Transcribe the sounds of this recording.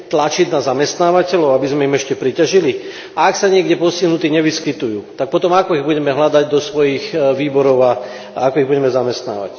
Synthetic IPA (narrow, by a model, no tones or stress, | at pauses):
t̪lat͡ʃid̪nazamɛst̪naːʋacɛlɔʊabizmɛimɛʃcɛpɾicaʒili | aaksaɲɪɛɡɟɛpɔsiɦnut̪iːɲɛʋiskit̪ujuːt̪ak̚pɔt̪ɔmakɔiɣbuɟɛmɛɦlad̪aɟd̪ɔsʋɔjiɣʋiːbɔɾɔʊa | akɔiɣbuɟɛmɛzamɛst̪na̰ːʋa̰c